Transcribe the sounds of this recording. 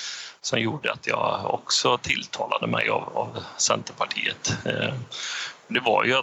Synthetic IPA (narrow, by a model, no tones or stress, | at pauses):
sɔmjuːɖəat̪jɑːɔksɔt̪ʰɪlːt̪ʰɑːlad̪əmɛjavavsɛnt̪əɾpʰaʈʰiːət̪ | ɔd̪ɛvajɵ